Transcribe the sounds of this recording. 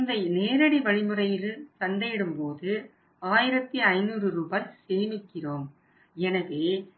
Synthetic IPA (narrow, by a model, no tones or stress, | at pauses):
nd̪ɐɪneːɾɐɽiʋɐɻɪmɯrɐjɪlt̪ɐnd̪ɐjɪɽɯmpoːðɯ | aːjɪɾɐt̪ːiɐɪnuːrɯɾuːbajseːmɪkːɪroːm | ɛnɐðeː